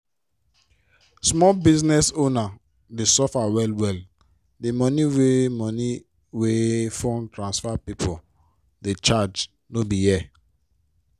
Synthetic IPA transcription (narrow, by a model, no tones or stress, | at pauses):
smɔlbiznɛsona | desɔfawɛlwɛl | demɔniwemɔni | wefɔ̃ntɹãnsfapipʰo | det͡ʃad͡ʒ | nobijɛ